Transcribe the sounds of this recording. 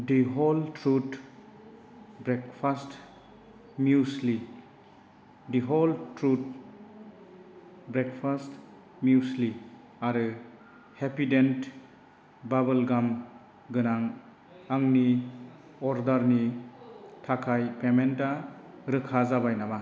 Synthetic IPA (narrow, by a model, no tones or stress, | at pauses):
diɦoltɾut | bɾekpʰast | mjusli | diɦɔltɾut̚ | bɾekʰpʰast | mjusli | aɾɯ | hepident | babɐlɡam | ɡɯnaŋ | aŋni | ɔɾdaɾni | tʰakʰajpementaɾɯkʰazabajnama